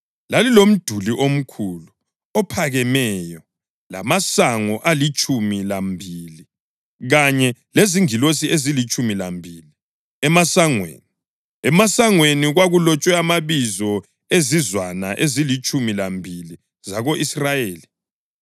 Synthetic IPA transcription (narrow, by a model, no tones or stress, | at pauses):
lalilom̩d̥ʱuliʔom̩kʰulu | ɔpʰaɣɛmɛjɔ | la̰masaŋɔʔalit͡ʃʼumilambʱili | ɣaɲɛleziŋilos̬iezilit͡ʃʼumilambʱiːli | ɛmasaŋwḛːni | ɛmasaŋweniɣwaɣulɔt͡ʃʼwɛamaβizɔ | ezizwanaʔezilit͡ʃʼumilambʱili | zaɣoʔisrajeːli